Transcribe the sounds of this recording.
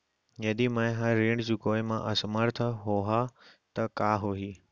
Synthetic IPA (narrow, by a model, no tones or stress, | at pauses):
jɐɗ̪imãːɦãɾiːɽɖd͡ʑuːkoːɪmãʔɐsməɾt̪ʰəɦoɦat̪ɐkaːɦoɦiː